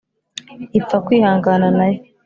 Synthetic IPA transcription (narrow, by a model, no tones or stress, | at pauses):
ip͡fakwiːhaːŋɡananajo